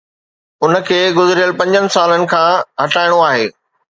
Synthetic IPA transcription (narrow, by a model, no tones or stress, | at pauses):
ʊnə̆kʰeːɡʊzɾijəlpɐ̃ɲd͡ʑənɪ̆saːlənɪ̆kʰãːɦɐʈaːɪɽ̃oaːɦeː